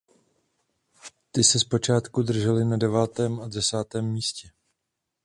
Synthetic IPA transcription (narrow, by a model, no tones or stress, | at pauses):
t̪ɪsɛspo̞t͡ʃaːt̪kud̪r̩ʒɛlɪnadɛvaːt̪ɛːmadɛsaːt̪ɛːmːiːscɛ